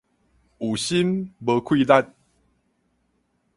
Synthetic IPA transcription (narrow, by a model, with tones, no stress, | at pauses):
u˨˩ɕi˦nbə˧kʰwi˥˧la˥˨n̚